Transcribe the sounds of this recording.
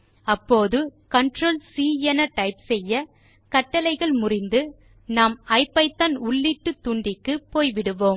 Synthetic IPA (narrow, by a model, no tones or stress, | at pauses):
ɐpːoːðɯkɐɳʈroːlsiːɛnɐʈɐɪpsɛjːɐ | kɐʈːɐlɐɪɣɐɭmʊrɪnd̪ɯ | naːmɐɪpːɐɪt̪ːɐnʊɭːiʈːɯt̪ːʊɳɖɪkːɯpːoːjʋɪɽɯʋoːm